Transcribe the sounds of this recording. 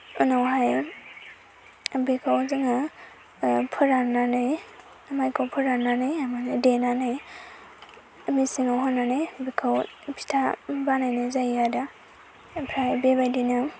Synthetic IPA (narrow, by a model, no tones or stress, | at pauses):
ɯnawɦaj | bekʰawzaŋa | pʰɯɾananɯj | amajkʰawpʰɯɾananɯjamanadenanɯj | ɐmisiŋawɦɔnːanɯjbikʰaw | pʰi̥tʰabanajnɯzajada | pʰɾajbebajdinɯ